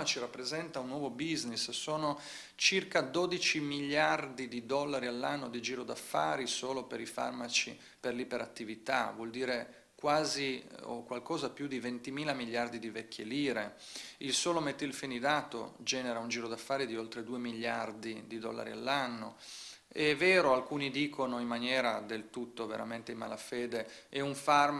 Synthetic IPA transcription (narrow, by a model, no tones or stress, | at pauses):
at͡ʃirapːɾezɛnt̪aunːwɔːvobiznissoːno | t͡ʃirkad̪oːd̪it͡ʃimiʎːard̪id̪id̪ɔlːaɾialːanːod̪id͡ʒiːɾod̪afːa̰ːɾisoːlopeɾifa̰rmat͡ʃḭ | perlipeɾat̪ːivit̪a̰vwɔld̪iːɾe | kwaːzio̰kwalkɔːzapjud̪ivent̪imiːlamilːjard̪id̪ivɛkʰːeliːɾe | ilsoːlomet̪ːilfinid̪aːt̪o̰d͡ʒɛːneɾaund͡ʒiːɾod̪afːaːɾid̪iolt̪ɾed̪uːemiʎːard̪id̪id̪ɔ̰lːa̰ɾḭa̰lːanːo̰ | ɛvɛːɾoalkuːnid̪iːkʰonoimːanjɛːɾad̪elt̪ut̪ːovḛɾa̰ment̪eima̰lafeːd̪eɛuɱfarm